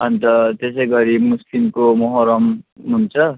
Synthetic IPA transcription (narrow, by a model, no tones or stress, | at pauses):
ʌnt̪ʌt̪es̬ʌjɡʌɾimuslimkomʌɦʌɾʌmɦunt͡sʰʌ